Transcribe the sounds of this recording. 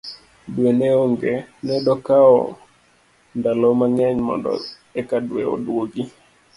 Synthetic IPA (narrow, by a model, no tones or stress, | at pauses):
dwenɛoŋɡenɛdɔkaɔ̰ | ndalɔmaŋɛɲmɔ̰ndɔ̰ | ɛkadweo̰dwoɡi